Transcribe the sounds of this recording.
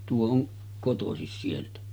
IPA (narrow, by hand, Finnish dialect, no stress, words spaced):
tuo oŋ kotosis sieltæ